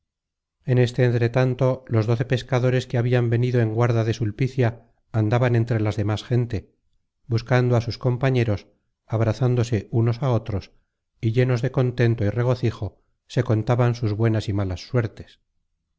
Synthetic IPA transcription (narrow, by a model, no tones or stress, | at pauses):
e̞ne̞st̪e̞ːnt̪ɾe̞t̪ant̪o̞lo̞zðo̞θe̞pe̞skaðo̞ɾe̞skeaβiambe̞niðo̞e̞ŋɡwaɾðaðe̞sulpiθjaː | nd̪aβane̞nt̪ɾe̞lazðe̞masxe̞nt̪e̞ | buskand̪oasusko̞mpaɲe̞ɾo̞s | aβ̞ɾaθand̪o̞se̞uno̞sao̞t̪ɾo̞s | iʎe̞no̞zðe̞ko̞nt̪e̞nt̪oire̞ɣ̞o̞θixo̞ | se̞ko̞nt̪aβansuzβwe̞nasimalasːwe̞ɾt̪es